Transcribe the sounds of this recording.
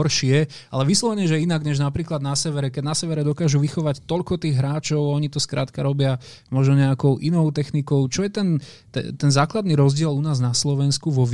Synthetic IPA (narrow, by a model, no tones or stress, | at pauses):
ɔɾʃɪɛ | a̰lɛʋislˠɔʋɛɲɛʒɛinaɡɲɛʒnapɾiːklad̪nasɛʋɛɾɛkɛɟnasɛʋɛɾɛd̪ɔkaːʒuʋixɔʋact̪ɔʎkɔt̪iːɣɦɾaːt͡ʃɔʊɔɲit̪ɔskɾa̰ːt̪kaɾɔbɪa | mɔʒnɔɲɛakɔʊʔinɔʊt̪ɛxnikɔʊt͡ʃɔjɛt̪ɛn | t̪ɛ̰t̪ɛnzaːklad̪niɾɔzɟɪɛlunaːznaslɔʋɛnskuʋɔʋ